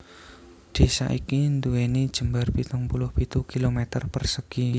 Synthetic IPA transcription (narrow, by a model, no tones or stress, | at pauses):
ɖ̪̥e̤sa̰ʔikind̪uenid̥ʒ̥ə̤mbarpit̪ʊŋpulʊhpit̪ukilomɛt̪ərpərsəɡ̥i